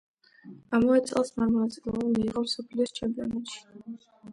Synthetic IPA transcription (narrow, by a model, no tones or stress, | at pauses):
amavɛsʼɛlˠsmaɾmɔnat̪sʼilˠamiːqʼɔsɔpʰliːst͡ʃʰɛmpʼiɔnɛt̪ʃi̥